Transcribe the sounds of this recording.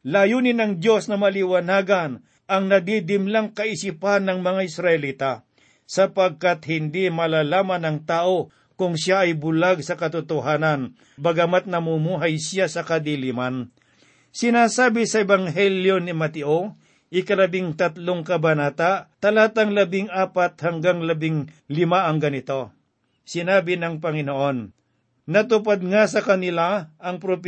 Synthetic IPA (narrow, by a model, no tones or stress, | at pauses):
laːjuːnɪnɐŋd̪jo̞snɐmɐlɪwɐnaːɡɐn | ʔɐŋnɐd̪id̪ɪmlaŋkɐʔɪsipanːɐŋmɐŋaʔɪsɾɐʔɛliːt̪a | sɐpɐɡ̚kat̪hɪnd̪imɐlaːlaːmɐnɐŋt̪aːʔo̞ | kʊŋʃjaʔɐjbʊlaɡ̚sɐkɐt̪ʊt̪oɦaːnɐn | bɐɡɐmat̪̚nɐmʊmuːɦajsjasɐkɐd̪iliman | sɪnaːsaːbɪsɐɛbɐŋɦɛljo̞nɪmɐt̪ɪʔo | ʔɪkɐlɐbɪŋt̪ɐt̪loŋkɐbɐnaːt̪aʔt̪ɐlat̪ɐŋlɐbɪŋaːpat̪̚hɐŋɡaŋlɐbɪŋ | lɪmaʔɐŋɡɐnɪt̪o̞ | sɪnaːbɪnɐŋpɐŋɪnoʔonː | ɐt̪ʊpad̪̚ŋas̬ɐkɐnɪlaʔɐŋpɾop